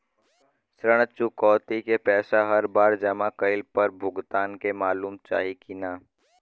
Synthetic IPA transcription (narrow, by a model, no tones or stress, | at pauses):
sɾəɽ̃t͡ʃʊkɔːt̪ikepɛːsaɦɐɾbaːɾd͡ʒɐmakəɪlpəɾbʱʊɡt̪aːnkemaːluːmt͡ʃa̰ːɦikinaː